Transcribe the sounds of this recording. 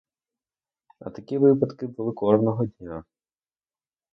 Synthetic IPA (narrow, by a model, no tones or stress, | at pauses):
ɐ̰t̪ɐkʲiʋɪpɐd̪kɪbulˠɪkɔrnɔɦɔdʲnʲa